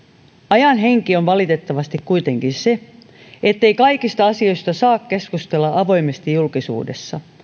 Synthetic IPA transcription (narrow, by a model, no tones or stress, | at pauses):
ɑjɑnɦe̞ŋkio̞nʋɑlit̪e̞t̪ːɑʋɑst̪ikkuit̪e̞ŋkinse̞ | et̪ːe̞ikɑikist̪ɑɑsio̞jst̪ɑsɑːkke̞skust̪e̞lːɑʔɑʋo̞jmest̪ijulkisṵːde̞̰sːɑ̰